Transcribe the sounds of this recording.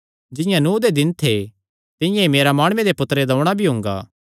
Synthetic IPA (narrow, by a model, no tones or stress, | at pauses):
d͡ʒɪ̃jãnuːd̪ed̪ɪnt̪ʰe | t̪ɪ̃jãemeːɾamaːɽ̃ʊʋẽd̪epʊt̪ɾed̪ɐʊɽ̃abʱiɦʊ̃ŋɡa̰ː